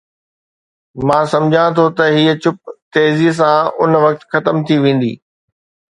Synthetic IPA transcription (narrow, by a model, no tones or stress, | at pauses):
mãːsɐ̃md͡ʑʱãt̪ʰot̪ɐɦiːət͡ɕʊp̚t̪eːzis̬ãʊnʋɐk̚t̪xɐt̪əmt̪ʰiʋẽːn̆d̪ḭː